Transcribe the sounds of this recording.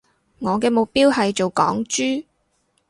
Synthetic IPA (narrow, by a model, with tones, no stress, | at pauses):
ŋɔː˨˧kɛː˧mʊ˨k̚piː˥whɐ˨jt͡ʃo˨wkɔː˨˥ŋt͡ʃyː˥